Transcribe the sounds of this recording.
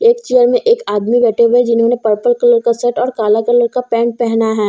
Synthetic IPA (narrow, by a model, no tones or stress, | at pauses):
eːkt͡ʃejəɾmẽʔeːkaːd̪miʋɛːʈebɛd͡ʒɪnɦõnepɐɾpəlkɐləɾkasɛʈɔːɾkaːlakɐləɾkapɛ̃ːɳʈ̚pɛɦnaɦɛː